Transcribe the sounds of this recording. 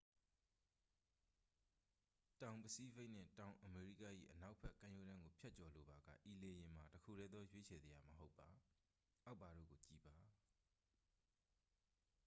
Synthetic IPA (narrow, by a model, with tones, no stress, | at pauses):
tã˨ʊ̃mpəsi˦be˦ʔn̥ɪ̰̃˦˨tã˨ʊ̃ʔəme˨ɹḭ˦˨ka̰˦˨ʔḭ˦˨ʔəna˦ʊʔpʰɛ˦ʔkã˦jo˦ɾã˦ŋɡo˨pʰja˦ʔ̚t͡ɕɔ˨lo˨ba˨ɡä̰˦˨ʔi˨le˨jɪ̃˨m̥a˨təkʰṵ˦˨ɾɛ˦d̪ðɔ˦jwe˦t͡ɕʰɛ˨zi˨ja˨məɦo˦ʊpːa˨ | ʔa˦ʊpːa˨ɾo̰˦˨ɡo˨t͡ɕi˦˨ba˨